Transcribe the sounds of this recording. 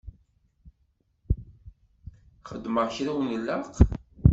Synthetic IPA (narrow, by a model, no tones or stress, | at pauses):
χəd̪məʁçɾæwnəlːaq